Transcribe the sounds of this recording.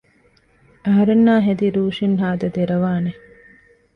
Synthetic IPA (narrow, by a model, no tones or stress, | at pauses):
ɐɦɐɾenːaːɦed̪iɾuːʃinɦaːd̪ɐd̪eɾɐʋaːne